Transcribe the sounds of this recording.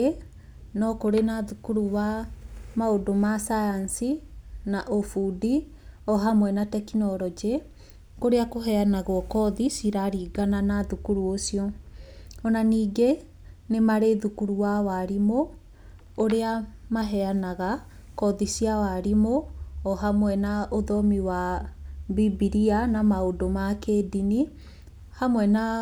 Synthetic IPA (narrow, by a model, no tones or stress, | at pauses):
nɔkoɾenaðukuɾuwamaodomasajansinaʔofudi | ɔɦamwɛnatɛkinɔɾɔd͡ʒe | koɾeakoɦɛanaɣwɔkɔðisiɾaɾiːɡananaðukuɾuosiɔ | ɔnaniːɡe | nemaɾeðukuɾuwawaɾimoː | ɾeamaɦɛanaɣa | kɔðisiawaɾimoɔɦamwɛnaoðɔmiwa | bibiɾianamaodomakeːdini | hamwɛna